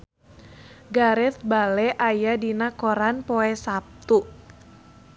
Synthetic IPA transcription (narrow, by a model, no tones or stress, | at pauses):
ɡaɾɛθ̚balɛʔajadinakɔɾanpoɛsap̚t̪u